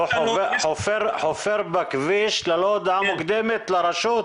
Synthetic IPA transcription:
ħofeʁħofeʁbakviʃlelod̪ʕamukd̪emet̪leɾaʃut̪

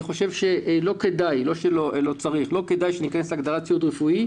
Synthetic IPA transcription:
niχo̞ʃevʃelo̞kedajlo̞ʃelolo̞t͡saʁiχlo̞kedajʃenikaneslaɡd̪aʁat͡sjut̪ʁefui

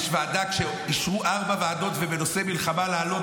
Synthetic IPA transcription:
ʃvaːd̪akʃe | iʃʁuʔaʁbaveaːd̪o̞t̪vebeno̞se̞milχamalaːlo̞t

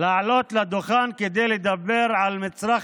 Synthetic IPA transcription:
laʕalo̞t̪lad̪oχanked̪ejled̪abeɾʕalmit͡sɾaχ

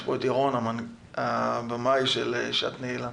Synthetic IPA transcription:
poetjaʁonaman | abamajʃelḛʃa̰t̪neila

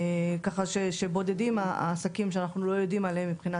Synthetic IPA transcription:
kaχaʃeʃebo̞d̪ed̪imaa̰ːsakimʃeanaχnulo̞jo̞d̪imaleemːipχina

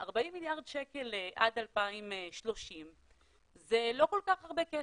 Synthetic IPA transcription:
ʔaʁbaimːiljaʁdʃeke̞leʔadalpaimʃlo̞ʃim | zelo̞ko̞lkaχhaʁbeke

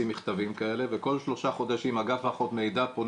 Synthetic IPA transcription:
imiχt̪avimkae̞le̞veko̞lʃlo̞ʃaχo̞d̪aʃimhaɡafaχo̞t̪mejd̪apon

